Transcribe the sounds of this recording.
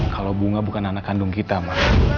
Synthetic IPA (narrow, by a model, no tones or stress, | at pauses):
kʰalobuŋabukananakːandʊŋkit̪amah